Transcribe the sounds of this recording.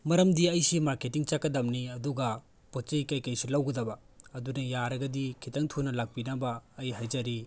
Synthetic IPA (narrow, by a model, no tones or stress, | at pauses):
mɐɾɐmdiɐjsimaɾketiŋt͡ʃakːɐdɐmniɐduɡɐ | pot͡ʃɐjkɐjkɐjsulɐwɡɐdɐbɐ | ɐdunɐjaɾɐɡɐdikʰitɐŋtʰunɐlak̚pinɐbɐːjɦajzɐɾi